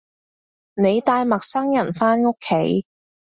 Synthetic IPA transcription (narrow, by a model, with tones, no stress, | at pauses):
ne˨˧jt̪aː˧jmɐ˨k̚sɐ˥ŋjɐ˨˩nfaː˥nŋo˥kʰːe˨˥j